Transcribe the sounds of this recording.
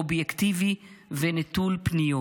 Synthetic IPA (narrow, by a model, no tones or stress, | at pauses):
objekt̪ivivenet̪ulpnijo